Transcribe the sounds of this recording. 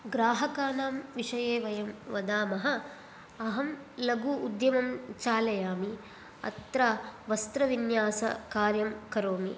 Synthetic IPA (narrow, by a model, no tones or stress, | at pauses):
ɡɾaːɦɐkaːnaːmʋiʂɐjeːʋɐjɐmʋɐd̪aːmɐɦɐ̆ | ɐɦɐm | lɐɡuud̪jɐmɐmt͡ʃaːlɐjaːmi | ɐ̰t̪ɾaːʋɐst̪ɾɐʋinjaːsɐ̰kaːɾjɐmkɐɾoːmi